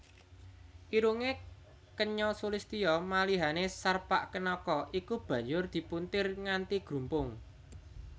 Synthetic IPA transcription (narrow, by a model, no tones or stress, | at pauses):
ʔiɾuŋe | kəɲɔsulist̪ijɔmaliɦanesarpa̰ʔkənɔkɔʔikub̥ä̤ɲd͡ʒʊrd̪̥i̤punt̪ɪrŋant̪iɡ̥ɾṳmpʊŋ